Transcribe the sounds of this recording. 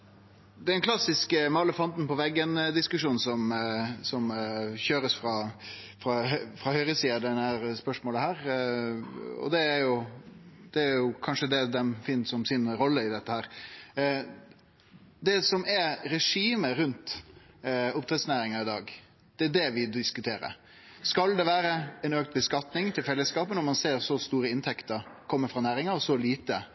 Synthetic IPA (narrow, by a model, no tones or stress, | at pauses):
d̪ɛɛnkʰlɑsɪskəmɑləfɔnt̪n̩pɔʋɛɡːənəd̪ɪskʉʂuːnsɔmsɔmçøːɾəsfɾɑː | fɾɑhfɾɑhœʏɾəsiːɑd̪ɛnæɾspœʂmoːləɦæːɾ | ɔ̰d̪ɛæɾjʊ | d̪̥ɛæɾjʊkʰɑnʂəd̪ɛd̪ɛmfɪnːsɔmsɪnɾɔlːəɪd̪ɛt̪ːəhæːɾ | d̪ɛsɔmɛɾɛʂiːməɾʉnt̪ | ʊpt̪ʰɾɛt̪snæːɾɪŋɑɪd̪ɑ̰ːɡ | d̪̥ɛæɖ̪ɛʋɪd̪ɪskʉt̪ʰeːɾə̰ɾ | skɑld̪ɛʋæːɾəɛnøːk̚t̪̚bəskɑt̪nɪŋt̪ʰɪlfɛlːəskɑːpənɔɾmɑnseːɾsɔst̪uːɾəɪnt̪ʰɛkt̪əɾkʰɔmːəfɾɑnæːɾɪŋɑɾɔsɔliːt̪ə